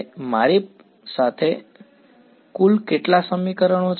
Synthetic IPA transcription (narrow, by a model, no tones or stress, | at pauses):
maɾe | sat̪ʰe | kulkeʈlasəmikəɾəɳ̃ot͡ʃ